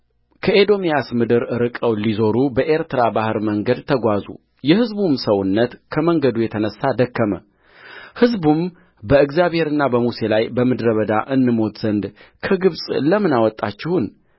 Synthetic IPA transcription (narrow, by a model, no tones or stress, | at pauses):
kʰəʔed̪o̞mijasmɨd̪ɨɾɨɾɨkʼəwlizo̞ɾubəʔe̞ɾt̪ɨɾabahɨɾməŋɡəd̪t̪ʰəɡʷazṵ | jɛhɨzbumsəwʊnːət̪kʰəməŋɡəd̪ujɛt̪ʰənəsːad̪əkːəmə̰ | hɨzbum | bəɨɡzjaβhe̞ɾɨnːabəmuse̞lajbəmɨd̪ɾəβəd̪aʔɨnːɨmo̞t̪z̥ənd̪kʰəɡɨβsʼləmɨnawɔt̪ʼːat͡ʃːɪhʊn